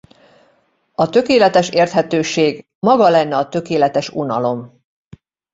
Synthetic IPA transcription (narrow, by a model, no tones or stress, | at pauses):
ɒt̪ø̞keːlɛt̪ɛʃeːrt̪hɛt̪øːʃeːɡ | mɒɡɒlɛnːɛɒt̪ø̞keːlɛt̪ɛʃunɒlo̞m